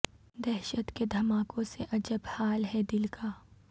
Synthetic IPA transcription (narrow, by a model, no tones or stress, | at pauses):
d̪ɛɦʃət̪ked̪ʱɐmaːkõseʔɐd͡ʒəbhaːlɦɛd̪ɪlkʰaː